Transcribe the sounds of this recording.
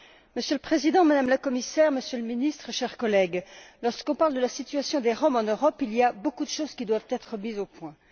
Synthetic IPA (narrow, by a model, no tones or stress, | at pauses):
məsjøləpχezid̪ɑ̃mad̪amləkɔmisɛʁməsjøləminist̪χəʃɛʁkɔlɛɡlɔʁskɔ̃paʁld̪əlasit̪ɥasjɔ̃d̪eʁɔmɑ̃nøʁɔpiliabokud̪əʃoz̥kʲid̪wavt̪ɛt̪χəmizopwɛ̃